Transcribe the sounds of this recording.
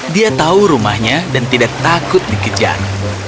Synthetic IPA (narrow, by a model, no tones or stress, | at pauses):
diat̪auɾumahɲadant̪idak̚t̪akʊt̪̚dikəd͡ʒa̰r